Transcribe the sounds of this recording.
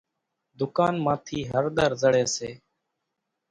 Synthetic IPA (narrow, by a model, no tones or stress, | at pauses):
d̪ʊkaːnmãːt̪ʰiːɦəɾɗ̪əɾzəɽeːseː